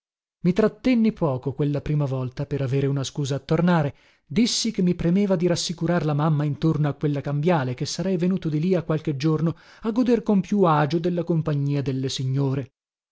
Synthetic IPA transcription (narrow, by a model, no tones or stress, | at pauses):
mit̪ɾat̪ːenːipɔːkokwelːapɾiːmavɔlt̪apeɾaveːɾeunaskuːzaːt̪ːornaːɾe | d̪isːikemːipɾemeːvad̪iɾasːikuɾarlamamːaint̪ornoakːwelːakambjaːlekesːaɾɛjvenuːt̪od̪iliakːwalk̟ed͡ʒːorno | aɡːod̪erkompjuaːd͡ʒod̪elːakompaɲːiːad̪elːesiɲːoːɾe